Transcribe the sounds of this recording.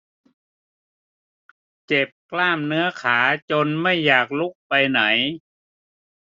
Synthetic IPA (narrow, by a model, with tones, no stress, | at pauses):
t͡ɕe˨˩p̚klaː˥˩mnɯ˦˥ɐkʰaː˩˦t͡ɕo˧nma˥˩jːaː˨˩k̚lu˦˥˩k̚pa˧jna˩˦j